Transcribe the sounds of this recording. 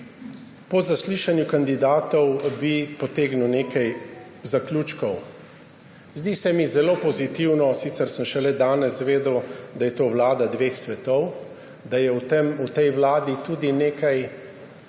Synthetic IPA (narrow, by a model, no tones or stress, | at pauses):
pɔzasliːʃanjukand̪id̪aːt̪ɔwbipɔt̪eːɡnuneːkaj | zaklʲuːt͡ʃkɔw | zd̪isɛmizɛloːpɔzit̪iwnɔsit̪sɛɾsəmʃɛlɛd̪aːnɛsʋeːd̪əwd̪ajɛt̪oːwlaːd̪ad̪ʋexsʋɛt̪ɔw | d̪ajɛwt̪emut̪ɛjwlaːd̪it̪uːd̪ineːkaj